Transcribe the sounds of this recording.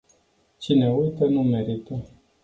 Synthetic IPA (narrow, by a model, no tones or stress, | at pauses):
t͡ʃine̞ujt̪ənume̞ɾit̪ə